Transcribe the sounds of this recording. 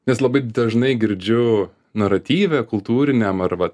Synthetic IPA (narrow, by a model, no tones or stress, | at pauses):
nʲɛslˠɐbɐɪd̪ɐʒnɐɪɡʲɪɾʲd͡ʒʲʊ | nɐɾɐt̪ʲiːʋʲɛːkʊlˠt̪uːɾʲɪnʲɛmɐrʋɐt̪